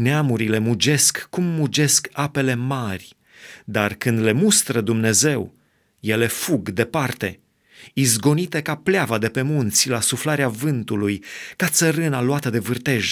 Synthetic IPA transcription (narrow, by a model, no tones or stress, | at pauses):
neamuɾile̞mud͡ʒe̞skːumːud͡ʒe̞skape̞le̞marʲ | d̪arkɨnd̪le̞must̪ɾəd̪umne̞ze̞w | je̞le̞fuɡd̪e̞part̪e̞ | izɡo̞nit̪e̞kapleavad̪e̞pe̞munt̪sʲlasuflaɾeavɨnt̪ulujkat̪səɾɨnaluat̪əd̪e̞vɨrt̪e̞ʒ